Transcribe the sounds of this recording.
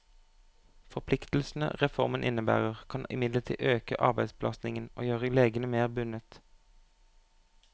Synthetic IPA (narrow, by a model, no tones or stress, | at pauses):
fɔpʰlɪkt̪l̩sn̩ə̰ʁɛfɔʁmənʔɪnəbæ̰ːʁəʁkʰɑnɪ̰mɪd̪lət̪ʰḭːʔøːkə̰ʔɑ̰ʁbæɪsblɑsnɪŋənʔo̰ːjøːʁəleːɡənəmeːʁbʉnət̪